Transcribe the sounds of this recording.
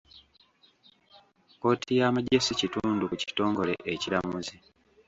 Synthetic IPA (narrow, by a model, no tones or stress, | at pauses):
ko̞ːtʰijaːmaɟesicituːndukuci̥to̞ːŋɡo̞le̞̰ʔeciɾamuzi